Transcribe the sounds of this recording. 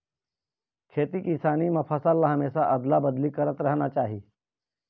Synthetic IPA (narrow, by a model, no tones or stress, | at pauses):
kʰeːt̪ikĩsaːnimɐpʰɐsalːaɦɐmeːsaʔɐd̪labɐd̪likɐɾət̪ɾɐɦnat͡ʃaːɦiː